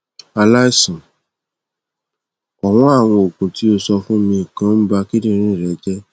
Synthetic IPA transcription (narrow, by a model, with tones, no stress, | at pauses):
a˧la˦i˦sɔ̃˨ | ɔ˨w̃ɔ̃˦a˦˨w̃ɔ̃˧o˨kũ˨ti˨˦o˧sɔ˧fũ˦mĩ˧˦i˨kã˨˦m̩˦ba˧ki˦dĩ˦˧ɾ̃ĩ˦˨ɾɛ˨˦d͡ʒɛ˦